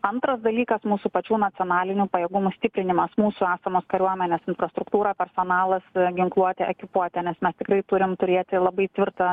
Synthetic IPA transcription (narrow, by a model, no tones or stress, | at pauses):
ɐnt̪ɾɐsd̪ɐlʲiːkɐsmuːsupɐt͡ʃʲuːnɐt̪sʲɪoːnɑːlʲɪnʲuːpɐjɛɡʊmuːsʲt̪ʲɪpʲɾʲɪnʲɪmɐsmuːsʊæːsɐmoːskɐɾʲuɔmʲɛnʲeːsɪnfɾɐst̪ɾʊkt̪uːɾɑːpʲɛrsoːnɑːlˠɐsɡʲɪŋklˠuɔt̪ʲɛɛkʲɪpuɔt̪ʲɛnʲɛsmʲɛst̪ʲɪkɾɐɪt̪ʊɾʲɪmt̪ʊɾʲeːt̪ʲɪlˠɐbɐɪt̪ʲʋʲɪrt̪ɐ